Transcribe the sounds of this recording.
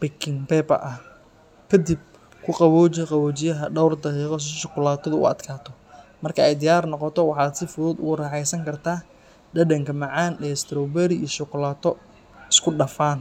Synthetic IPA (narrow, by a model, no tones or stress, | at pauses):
bɛkʰɪŋpɛːbɐ̰ʔɐh | kʰɐd̪ib̚ | kʰʊqɑβɔːt͡ʃɛqɑβɔːt͡ʃɪjɐɦɐɖɔwrd̪ɐqiːqɔs̬ʃɔqʊlaːt̪ʰɔðʊʔʊ̰ɐ̰d̪kʰaːt̪ʰɔ | mɐrkʰɐɛjd̪ɪjaːrnɔqɔt̪ʰɔwɑħɑːd̪sɪfʊðuːd̪ʊ̰ɣʊrɐːħɛjsɐŋkʰɐrt̪ʰaː | ɖɐɖɐŋkʰɐmɑʕɑːnɛːst̪ʰɾɔbɛɾɪijɔʃʊkʊlaːt̪ʰɔ | ɪskʰʊɖɐfaːn